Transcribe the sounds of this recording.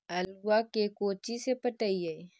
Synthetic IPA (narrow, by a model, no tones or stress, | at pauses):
ɐlwakekoːt͡ʃisepəʈəiɐi